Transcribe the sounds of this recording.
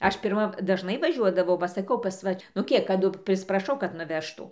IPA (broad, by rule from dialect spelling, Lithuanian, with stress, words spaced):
ˈɐʃ pʲɪrˈmɐ dɐʒˈnɐɪ ʋɐˈʒʲuɔdɐʋɐʊ ʋɐ sɐˈkɐʊ pɐs ˈʋɐ nʊ ˈkʲiɛk kɐˈdʊ pʲrʲɪsʲɪprɐˈʃɐʊ kɐt nʊˈʋʲæːʃtuː